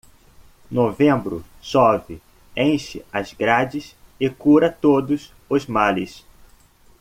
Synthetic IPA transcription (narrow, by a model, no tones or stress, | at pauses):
novẽmbɾʊ̰ | sɔvɪ | ẽʃɪɐzɡɾad͡ʒɪsɪkuɾɐt̪od̪ʊs | ʊzmalɪs